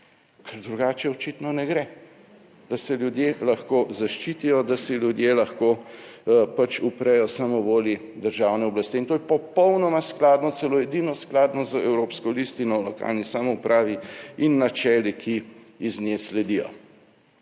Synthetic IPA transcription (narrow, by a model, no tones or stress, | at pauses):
kʰɛɾd̪ɾuɡaːt͡ʃɛɔt͡ʃit̪nɔnɛɡɾɛ | d̪̥asɛlʲjud̪jelaxkoːzaʃt͡ʃiːt̪ijɔd̪asiljud̪jelaxko | pat͡ʃupɾɛjɔsamɔʋoːli | d̪əɾʒaːwnɛɔblast̪iint̪oːjɛpɔpɔwnɔmasklaːd̪nɔt̪sɛloɛd̪inɔsklaːd̪nɔzəɛwɾoːpskɔlist̪inɔlɔka̰ːlnisaːmɔupɾʔaːʋiinːat͡ʃɛːlikʰi | izneslɛd̪ijɔ̰